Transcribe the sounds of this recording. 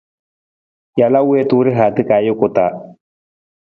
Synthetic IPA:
ja˨la˦we˦tʊ˦ɾɪ˦ɦaː˨t̪ɪ˦ka˨˦jɪ˦kʊ˨ta˨

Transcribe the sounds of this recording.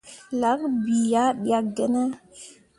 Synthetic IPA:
la˨˦kbi˨ja˦ɗi˦a˨k̚ɡɛ˦ne˦

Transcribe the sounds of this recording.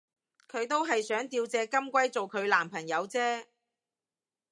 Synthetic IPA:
kʰɵ˨˧ɥt̪o˥wɦɐ˨jsœː˨˥ŋt̪iː˧wt͡sɛː˨˧kɐ˥mkʷɐ˥jt͡so˨wkʰɵ˨˧ɥlaː˨˩mpʰɐ˨˩ŋjɐ˨˧wt͡sɛː˥

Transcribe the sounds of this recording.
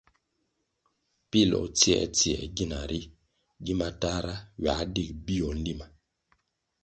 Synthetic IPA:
pi˦˨lɔ̰˨t͡si˦ɛ̰˨t͡si˦ɛ̰˨ɡi˦˨na˨ɾʔi˦ | ɡi˦ma˨ta˦ɾa˦wa˨˦di˦˨k̚bi˦ɔ˨n˦di˦ma˨

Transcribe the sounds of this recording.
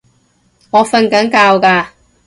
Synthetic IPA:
ŋɔː˨˧fɐ˧nkɐ˨˥ŋkaː˧wkaː˧

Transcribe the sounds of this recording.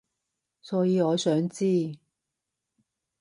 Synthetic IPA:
sɔː˨˥jiː˨˧ɔː˨˧sœː˨˥ŋt͡siː˥

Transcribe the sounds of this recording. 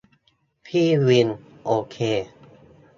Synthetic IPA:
pʰiː˥˩wi˧n | ʔoː˧kʰeː˧

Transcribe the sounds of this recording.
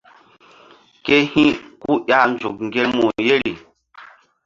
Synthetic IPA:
ke˦hĩ˦ku˦ɗa˦n˦d͡ʒu˨k̚ŋ˨ɡe˦lmo˨je˦ɾi˨

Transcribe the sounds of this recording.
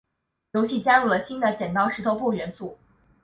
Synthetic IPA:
jo˧˥ʊɕi˥˩t͡ɕja˥ɻu˥˩lə˩ɕi˥nd̪ə˨t͡ɕjɛ˨˩nt̪ɑ˥ʊʂɻ̩˧˥t̪ʰo˧˥ʊpu˥˩ɥɛ˧˥nsu˥˩

